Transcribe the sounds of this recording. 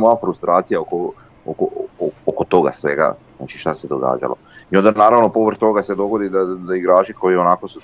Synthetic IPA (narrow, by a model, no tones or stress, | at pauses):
mojafɾust̪ɾʔaːt̪sijaoko | okookot̪o̞ɡa̰sʋe̞̰ɡa̰zna̰t͡ʃiʃt̪ased̪o̞̰ɡa̰ːd͡ʒa̰lo̰io̞nd̪anaːɾaʋno̞po̞ʋr̩t̪o̞ɡase̞d̪o̞ɡo̞d̪id̪ad̪aiɡɾaːt͡ʃiko̞jio̞nako̞su